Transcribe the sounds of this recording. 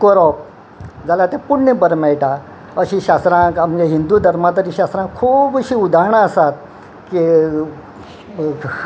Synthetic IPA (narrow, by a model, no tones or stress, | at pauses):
kɔɾɔp | d͡zalat̪ẽpuɽnəbəɾmɛɭʈa | əɕĩɕast̪ɾãkamɡeɦind̪uːd̪ʱəɾmat̪əɾiɕast̪ɾãkʰuːbəɕiud̪ʱaɳaəsat̪̚ | ki